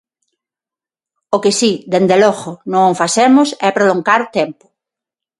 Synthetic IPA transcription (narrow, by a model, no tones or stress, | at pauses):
okesid̪end̪elɔɣonõŋfasemʊsɛpɾoloŋɡaɾʊt̪ɛmpʊ̥